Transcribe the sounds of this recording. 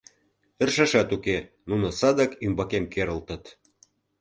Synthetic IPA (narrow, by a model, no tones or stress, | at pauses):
ə̆rʃɑʃɑt̪uke | nunɤ̆sɑd̪ɑkymbɑkemkeɾə̆lt̪ə̆t̪